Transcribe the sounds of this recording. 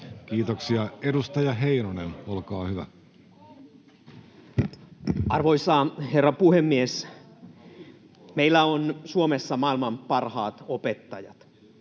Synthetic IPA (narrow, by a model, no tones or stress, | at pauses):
kiːt̪oksiɑedust̪ɑjɑɦe̞inonenolkɑːhyʋæ̰ | ɑrʋoisɑherːɑpuhemːies | meilːæonsuomesːɑmɑilmɑmpɑrhɑ̰ːt̪opet̪ːɑjɑ̰t̪